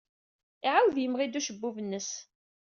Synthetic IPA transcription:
iʕawðjəmʁid̪uʃəbːuvənːəs

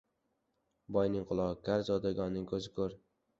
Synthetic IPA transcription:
bɒjnɪŋqʰʊlˠɒʁɨkʲʰaɾzɒd̪aɡɒnːɪŋkʰɵzɪkʰɵɾ

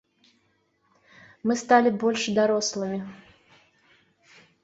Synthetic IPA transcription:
mɨst̪alʲibɔlʲʂd̪aɾɔslˠɨmʲi

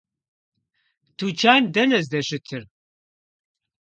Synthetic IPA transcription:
t̪ʰuːt͡ʃʰaːnd̪ɛnɛzd̪ɛʃɨt̪ʰɨɾ

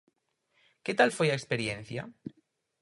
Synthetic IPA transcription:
ket̪alfejaekspeɾjen̟θja

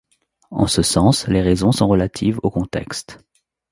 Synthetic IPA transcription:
ɑ̰̃səsɑ̃sleʁezɔ̃sɔ̃ʁəlat̪ʰivokɔ̃t̪ɛ̰kst̪

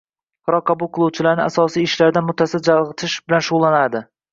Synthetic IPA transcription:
pɾɒqʰɑbʊlˠqʰɨlˠuwt͡ʃʰɪlaɾnɪʔasɒsijɪʃlaɾd̪anmʊt̪ʰːasɪld͡ʒalˠʁɨt̪ʰɪʃbɪlanʃʊʁlˠanad̪ɪ

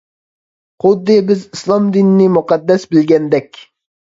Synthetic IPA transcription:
χʊd̪ːɨbɪzislˠɑmd̪inɪnɪmuqɑd̪ːɛsbɪlɡʲɛnd̪ɛkʲ

